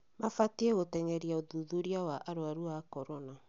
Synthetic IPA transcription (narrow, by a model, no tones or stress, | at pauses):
mafatieɣotɛŋɛɾiaoðuðuɾiawaʔaɾoaɾuakɔɾɔna